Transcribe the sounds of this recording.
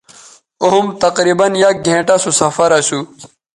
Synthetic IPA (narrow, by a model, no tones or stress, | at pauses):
oɦumt̪ɐqɾiːbɐnjɐk̚ɡʱẽːʈasusɐfɐɾɐɕu